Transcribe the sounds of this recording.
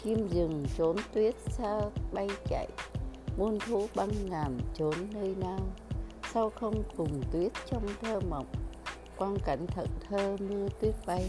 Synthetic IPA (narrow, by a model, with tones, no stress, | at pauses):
ki˧mzɨ˨˩ŋt͡ɕo˨˦nt̪wi˦˥ət̚saː˧ɓa˧jt͡ɕa̰˧˨jmu˧nt̪ʰu˨˦ɓa˧ŋːaː˨˩mt͡ɕo˨˦nːəː˧jnaː˧wsa˧wxə˧wŋ͡mkʊ˨˩ŋ͡mt̪wi˦˥ət̚t͡ɕɔ˧wŋ͡mt̪ʰəː˧mə̰˨˩wk͡p̚ | kwaː˧nka˨˩jŋ̟t̪ʰə̰˧˨˩t̚t̪ʰəː˧mɨ˧ət̪wi˦˥ət̚ɓa˧j